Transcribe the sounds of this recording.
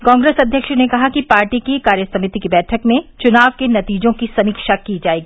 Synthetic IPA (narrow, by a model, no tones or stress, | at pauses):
kãːŋɡɾeːsɐd̪ʱjəkʃnekɐɦakipaːɾʈikikaːɾjəsɐmɪt̪ikebɛːʈʰəkmẽt͡ʃʊnaːʋkenɐt̪iːd͡ʒõkisɐmiːkʃakiːd͡ʒaːeːɡiː